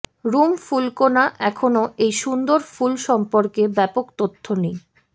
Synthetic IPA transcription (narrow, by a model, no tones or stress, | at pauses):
ɾumfulkonaʔɛkʰonoʔejʃund̪oɾfulʃɔmpoɾkebɛpokt̪ot̪ʰːonej